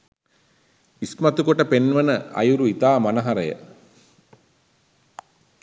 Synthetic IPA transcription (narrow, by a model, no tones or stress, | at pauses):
ismat̪ukoʈəpenʋənəɐ̰juɾuit̪aːmanəɦaɾəjə̰